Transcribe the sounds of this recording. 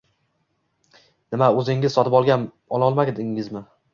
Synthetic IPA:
nɪmaɵzɪŋɪzsɒt̪ɪpɒlˠɡʲan | ɒlˠɒlˠmaɡʲd̪ɪŋɪzmɪ

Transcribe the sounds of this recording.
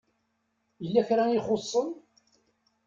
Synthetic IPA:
jəlːæçɾaiχosˤːən

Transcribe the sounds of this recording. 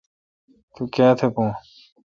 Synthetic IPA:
t̪ukãːt̪ʰepõː

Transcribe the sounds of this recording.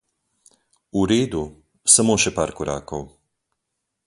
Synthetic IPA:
uɾeːd̪u | samoːʃɛpaːɾkɔɾʔa̰ːkɔw

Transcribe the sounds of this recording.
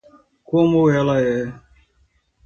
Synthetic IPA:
koːmoːelaːɦeː

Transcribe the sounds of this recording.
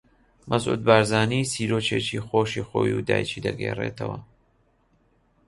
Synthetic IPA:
mʔɐzʔṵːd̪̚baːɾzaːniːsiːɾoːt͡ʃet͡ʃixoːʃixo̰ːjud̪a̰ːjt͡ʃiːd̪ɐɡerḛt̪ʰɐwɐ

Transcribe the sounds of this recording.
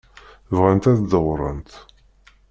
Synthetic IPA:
vʁænt̪æθd̪əʁɾˤə̰nt̪

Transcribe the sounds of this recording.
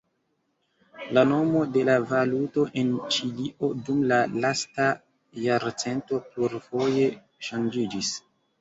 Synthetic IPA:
lano̞mo̞de̞lavaluto̞ʔe̞nt͡ʃiliʔo̞dumlalasta | jaɾt͡se̞nto̞pluɾfo̞je̞ | ʃand͡ʒid͡ʒis

